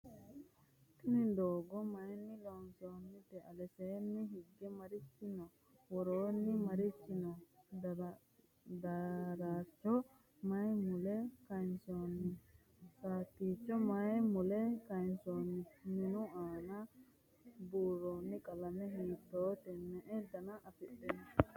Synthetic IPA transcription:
t̪ʊnɪd̪oːɡɔmɐjnːɪlonsoːnːɪt̪ɛʔɐlɛseːnːɪɦɪɡːɛmɐɾɪt͡ʃːɪnɔ | wɔɾoːnːɪmɐɾɪt͡ʃːɪnɔ | d̪ɐɾaːt͡ʃːɔ | mɐjmʊlɛkɐjnsonːɪ | kaːtːiːt͡ʃːɔmɐjmʊlɛkɐɪnsoːnːɪnɪnʊaːnɐ | buːɾoːnːɪkʼɐlɐmɛɦiːt̪ːoːt̪ɛnːɛʔɛd̪ɐnɐʔɐfɛɗːɛn

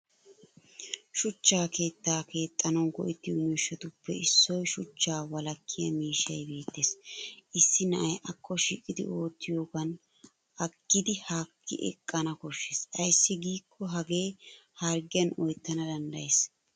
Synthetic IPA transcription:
ʃʊt͡ʃːaːke̞ːt̪ːaːke̞ːt̪ʼːɐnɔnkɔ̰ʔɪt̪ːɪjomiːʃɔt̪ʊpːɛɪsːɔjʃʊt͡ʃːaːwɐlɐkʰːɪjɐmiːʃːɐjbe̞ːt̪ːeːsʔɪsːɪnɐʔɐjʔɐkʰːɔʃiːkʼːɪd̪ɪ̰o̞ːt̪ːɪjoːɡɐn | ʔɐkːɪd̪ɪhaːkːɪ̰ʔɛ̰kʼːɐnɐkɔʃːesʔɐjsːɪɡiːkʰːɔɦɐɡe̞ːhɐɾɡɪjɐnɔjt̪ːɐnɐd̪ɐnd̪ɐjeːs

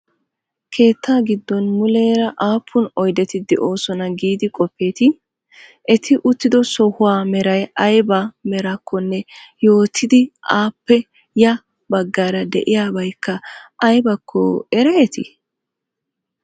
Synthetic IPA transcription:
kʰe̞ːt̪ːaːɡɪd̪ːɔnmʊle̞ːɾɐʔaːpʰːʊnɔjd̪ɛt̪ɪd̪ɛʔo̞ːsɔnɐɡiːd̪ɪkʼɔpːe̞ːt̪ɪ | ʔɛt̪ʰɪʔʊt̪ːɪd̪ɔsɔhʊwaːmɛɾɐjɐjbɐmɛɾɐkʰːɔnːɛjo̞ːt̪ʰːɪd̪ɪʔaːpːɛ | jɐ | bɐɡːaːɾɐd̪ɛ̰ʔɪjaːbɐjkːɐʔɐjbɐkʰːɔ̰ɛɾɛɛt̪ʰɪ̰

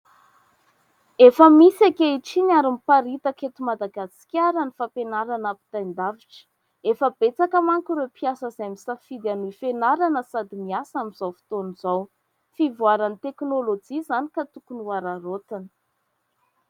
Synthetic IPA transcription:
efəmisakeiʈ͡ʂinaɾimipaɾit̪əket̪umad̪aɡasi̥kʲaɾanifapenaɾanapi̥t̪ajnd̪aviʈ͡ʂə̥ | efəb̥et͡sakəmaŋkuɾewpiasəzaamisafid̪anuifenaɾanəsad̪imiasamiz̥awfi̥t̪onizaw | fivuaɾanit̪eknolod͡ʒizanikat̪ukunuaɾaɾot̪in

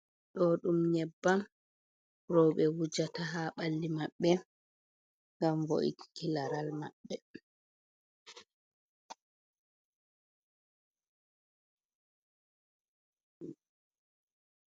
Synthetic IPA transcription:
ɗɔɗumɲɛbːan | ɾɔwɓɛwud͡ʒataɦaɓalːimaɓːɛ | ŋɡamvo̰ʔḭti̥kilaɾalmaɓːɛ

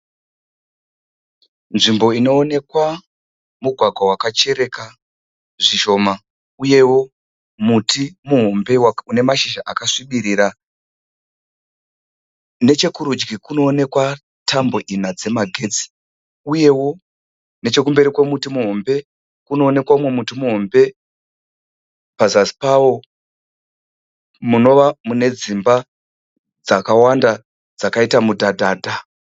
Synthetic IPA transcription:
nʐimbo̞ino̞ːne̞kwa | muɡʱwaɡʱwawakat͡ʃe̞ɾe̞ka | ʐiʃo̞ːma | uje̞wo̞ | mutimuɦombe̞waune̞maʃiʃaʔakaʂiɓiɾiːɾa | ne̞t͡ʃe̞kuɾud͡ʒɡikuno̞ːne̞kwa | tʰambo̞ʔinad͡ze̞maɡʱe̞d͡zi̥ | uje̞wo̞ | ne̞t͡ʃe̞kumbe̞ɾikwemutimuɦo̞mbe̞ | kuno̞ːne̞kwaumwe̞mutimuɦo̞mbe̞ | pazasi̥pawo̞ | muno̞ʋamune̞d͡zimba | d͡zakawanda | d͡zakaitamudʱadʱaːdʱa

